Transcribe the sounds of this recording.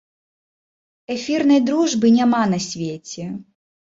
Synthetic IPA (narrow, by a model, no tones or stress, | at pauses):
ɛfʲirnɐjd̪ɾuʐbɨnʲamanɐsʲvʲet͡sʲɛ